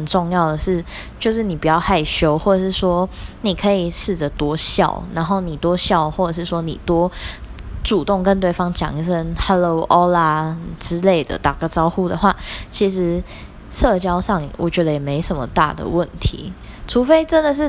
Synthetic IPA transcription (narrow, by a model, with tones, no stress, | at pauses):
ə˨˩nʈ͡ʂʊ˥˧ŋjɑ˥˩ʊd̪ə˩ʂɻ̩˥˩t͡ɕjo˥˧ʊʂ̬ɻ̩˥˩ni˨˩pu˨˩t͡ɕjɑ˥˩ʊxa˥˩ɪɕjo˧˥ʊxwɔ˥˩ə˨˩ʂɻ̩˥˩ʂwɔ˥ni˨˩kʰɤ˧˥i˨˩ʂɻ̩˥˩də˩t̪wɔ˥ɕjɑ̰˥˩ʊna˧˥nxo˥˩ʊni˨˩t̪wɔ˥ɕjɑ˥˧ʊxwɔ˥˩ʈ͡ʂə˨˩ʂ̬ɻ̩˥˩ʂwɔ˥nḭ˨˩t̪wɔ˥ | ʈ͡ʂu˨˩t̪ʊ˥˨˩ŋkə˧˦nt̪we˥˩ɪfɑ˥ŋt͡ɕjɑ̰˨˩ŋə˥˩sə˥˩nha˥lo˧˩ʊʔɔ˥la˧ʈ͡ʂɻ̩˥le˥˩ɪd̪ə̰˩t̪a˨˩ɡə˧ʈ͡ʂɑ˥ʊxu˥˩d̪ə˨˩xwa˥˩t͡ɕʰi˧˥ʂɻ̩˧˥ | ʂɤ˥˩t͡ɕjɑ˥ʊʂɑ˥˩ŋwʔɔ̰˨˩t͡ɕɥɛ˧˥d̪ə˧jɛ˨˩me˧˥ɪʂə˧˥nmə̰˨t̪a̰˥˩d̪ə̰˩wə˥˨nt̪ʰḭ˧˥˦ | ʈ͡ʂʰu˧˥fe˥ɪʈ͡ʂə˦nd̪ə˨ʂ̬ɻ̩˥˩